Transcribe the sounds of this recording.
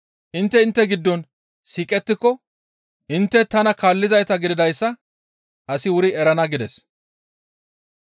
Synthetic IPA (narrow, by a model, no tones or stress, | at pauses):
ʔɪnt̪ːɛɪnt̪ːɛɡɪd̪ːɔn | siːkʼɛt̪ːɪkːɔ | ʔɪnt̪ːɛt̪ɐnɐkaːlːɪzɐjt̪ɐɡɪd̪ɪd̪ɐjsːɐ | ʔɐsɪwʊɾɪɛɾɐnɐɡɪd̪ɛs